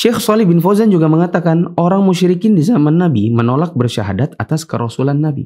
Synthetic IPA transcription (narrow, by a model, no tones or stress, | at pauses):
ʃɛxsɔlɪbɪnfozand͡ʒuɡaməŋat̪akanʔoɾaŋmuʃɾikɪndizamanːabimənolak̚bərʃaɦa̰dat̪at̪askəɾosulanːabḭ